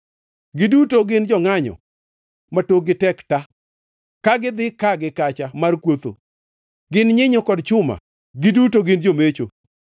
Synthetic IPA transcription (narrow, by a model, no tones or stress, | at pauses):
ɡɪdutoɡɪnd͡ʒɔŋaɲɔ̰ | matoɡɪtɛkta | kaɡɪd̪ɪkaɡɪkat͡ʃamarkwot̪o̰ | ɡɪnɲɪɲɔkɔdt͡ʃʊma̰ | ɡɪdutoɡɪnd͡ʒomet͡ʃo